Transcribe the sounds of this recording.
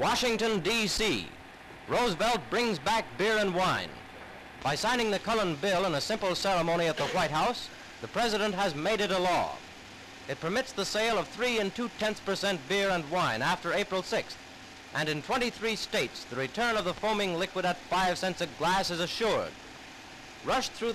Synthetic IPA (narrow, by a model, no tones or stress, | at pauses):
wɑʃɪ̃ŋtɨ̃ndisḭ | ɹoʊzbɛlˠt̚b̥ɹɪ̃ŋzbæk̚b̥ɪɹə̃nwãɪ̃n | b̥aɪsãɪ̃nɪ̃ŋðɨkʰʌlˠə̃nbɪlˠə̃nəsɪ̃mpl̩ˠsɛɹəmõʊɾ̃iɨt̪̚ðəwaɪt̚ɦaʊs | ðɨpʰɹ̥ɛzɨɾə̃nt̚həzmeɪɾɨɾəlɔ̰ | ɨt̚pʰə˞mɪtsðəseɪlˠʌv̥θɹiɨ̃ntʰutʰɛ̃nθpʰə˞sɛ̃ntb̥ɪɹə̃nwãɪ̃næftə˞eɪpɹl̩ˠsɪksθ | ʔɨ̃nɨ̃ntʰw̥ɛ̃ɾ̃iθɹisteɪtsðɨɹitʰɜ̃˞nʌvðəfõʊmɪ̃ŋlɪkwəɾɨtfaɪv̥sɛ̃nsɨɡlæsɨzɨʃʊɹd̚ | ɹʌʃθɹʉ